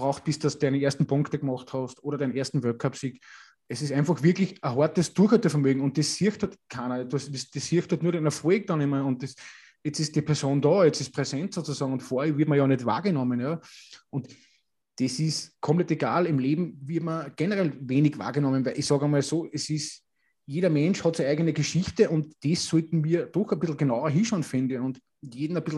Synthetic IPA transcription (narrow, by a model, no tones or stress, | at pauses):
bʁaʊxt̚b̥ɪsddastu̥dæɪnəeːɐstn̩pʰʊ̃ŋktəɡmɔχthɔstʔoːɾɐdæɪneːɐstn̩vœɐkʰːapsik | esɪs̬æ̃ɪnfɑχvɪɐklɪçɐɦɔɐtəsd̥uɐxhœtəfɐmøːɡŋ̩ʊ̃nt̚d̥eshiɐxthɔtkʰaːnɐdsdesd̥eshɪɐxthœtnuːɐɾæɪnɐfʁeːk̚d̥ɑnɪmɐʊ̃nt̚des | jɛt͡sɪsd̥ipʰɛɐsoːndɑːjɛt͡sɪs̚pʁesɛ̃ntsoːt͡susɑːɡŋ̩ʊntfoɐɛvɪɐtmɐjɑːnɛtva̰ːɐɡənɔmənjɑʔʊnt | d̥esɪskʰɔ̃mplɛteɡaːlɪmleːbm̩vɪɐtmɐɡ̥enəʁɛlveːnɪɡva̰ːɡənɔmənvæɪlʔiçsɑːɡɐmalsoːʔɛsɪs | jeːɾɐmɛ̃nʃhɔtsɛæɪɡənəɡeʃiçtəʔʊntd̥esːɔltn̩viːɐd̥ɔxɐb̥ɪsl̩ɡenaʊɐɦiːʃaʊnfɪndəʊ̃nt | jeːdn̩ɐb̥ɪsl̩